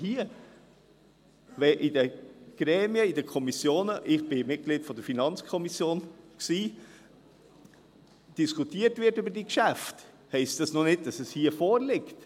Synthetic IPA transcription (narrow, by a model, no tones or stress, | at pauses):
hiə | vɛʔidəɡ̥ɾɛːmiəidəkʰɔmisjoːnəʔɪχb̥ɪmɪt̚ɡ̥liːtfɔdəɾfinɑnt͡skʰɔmisjoːnksiː | d̥iskʰutiːəɾtvɪtybəɾdiːkʃæft | hɛɪstd̥ɑsnɔnɪd̚d̥ɑsɛshiːəfɔːɾlɪkt